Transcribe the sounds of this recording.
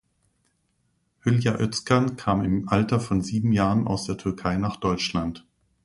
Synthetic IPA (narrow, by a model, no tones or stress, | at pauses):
hʏljaʔœt͡skankʰaːmɪmʔaltɐfɔnziːbm̩jaːʁənʔa̰ʊsd̥eːɐtʰʏɐkʰaɪnaːχd̥ɔʏt͡ʃlant